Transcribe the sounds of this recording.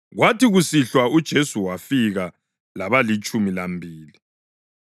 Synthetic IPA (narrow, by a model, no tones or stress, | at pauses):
ɣwatiɣusiɬwaud̥ʒ̥ʱesuwafiɣa | laβalit͡ʃʼumilambʱiːli